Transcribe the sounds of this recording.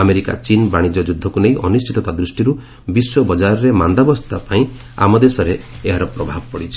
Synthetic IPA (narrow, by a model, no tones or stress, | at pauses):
ameɾika̰t͡ʃinbaɽ̃id͡ʒɔd͡ʒud̪ʱːɔkunejʔɔnist͡ʃʰit̪ɔt̪ad̪ɾusʈiɾu | biswɔbɔd͡ʒaɾɔɾemand̪abɔst̪ʰapaĩ | a̰mɔd̪esɔɾeeɦaɾɔpɾɔbʱabɔpɔɽit͡ʃʰɔ